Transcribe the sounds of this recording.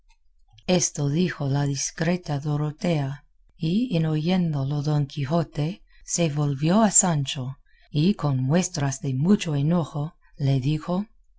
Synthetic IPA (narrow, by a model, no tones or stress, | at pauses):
e̞st̪oðixolaðiskɾe̞t̪aðoɾot̪ea | ienoje̞nd̪oloðoŋkʰixo̞t̪e | se̞βolβjoasant͡ʃo | iko̞nmwe̞st̪ɾazðe̞mut͡ʃo̞eno̞xo | le̞ðixo̞